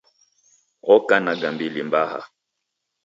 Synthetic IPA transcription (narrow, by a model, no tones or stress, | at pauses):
ɔkanaɡambilimbaha̰